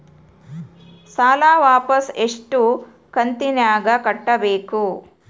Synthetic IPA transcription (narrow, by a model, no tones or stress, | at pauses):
saːlaːʋaːpɐseʂʈu | kɐnt̪injaːɡɐkɐʈːɐbeːku